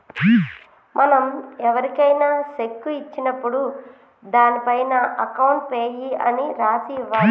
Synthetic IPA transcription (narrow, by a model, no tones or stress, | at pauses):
mɐnɐmɛʋɐɾikɐjnaːʃekːuit͡ʃːinɐpːuɽu | d̪aːnipɐjnɐʔɐkɐwɳʈ̚peːjiɐ̰niɾaːsiʋaː